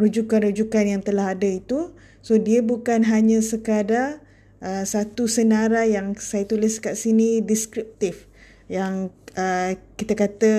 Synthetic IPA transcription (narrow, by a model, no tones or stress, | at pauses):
rud͡ʒukanrud͡ʒukanjaŋt̪əlaɦadəit̪u | sodiəbukanɦaɲə̃səkada | ʔəsat̪usənaɾajaŋsajat̪ulɪskaʔsinidiskɾip̚t̪if | jaŋəkit̪əkat̪ə